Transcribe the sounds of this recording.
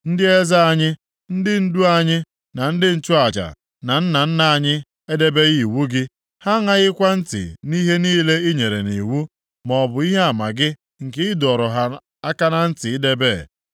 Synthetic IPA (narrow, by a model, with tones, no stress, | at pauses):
n̩˦dɪ˦e˦za˦a˦ɲɪ˦ | n̩˦dɪ˦n̩˦du˦a˦ɲɪ˦ | na˨n̩˦dɪ˦n̩˦t͡ʃu˦a˨d͡ʒa̰˨ | na˨n̩˦na˨n̩˦na˨a˦ɲɪ˦ | e˦de˦be˦ɣi˦˨wu˦ɡɪ˦ | ha˦ŋa˦ɣɪ˦kʷa˦n̩˦tɪ̰˨ni˦ɦe˦niː˦le˦i˦ɲe˨ɾḛ˨ni˨wu˦ | mɔ˨bʊ˨i˦ɦe˦a˨ma˨ɡɪ˦ | ŋ̩˨kɪ˦ɪ˦dɔ˨ɾɔ˨ɦa˦ | a˦ka˦na˦n̩˦tɪ˨ɪ˦de˦be˦˨